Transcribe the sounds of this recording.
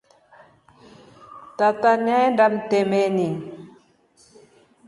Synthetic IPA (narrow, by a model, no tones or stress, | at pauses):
t̪at̪anandam̩t̪emeni